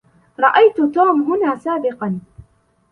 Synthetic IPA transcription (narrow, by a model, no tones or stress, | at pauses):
ɾˤɑʔajt̪ʊt̪uːmɦʊnaːsaːbɪqɑn